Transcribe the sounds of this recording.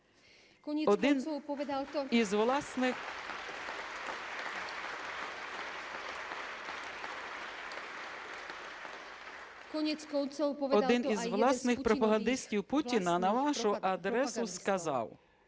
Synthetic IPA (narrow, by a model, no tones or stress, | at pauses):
ɔd̪ɪn | izʋlˠsnɪx | kɔɲɛkɔɔɔd̪ɪnizʋlˠɑsnɪxpɾɔpɐɦɐnd̪ɪsʲtʲiwputʲinɐnɐʋɑʃʊʔɐd̪ɾɛsʊskɐzɑ̰w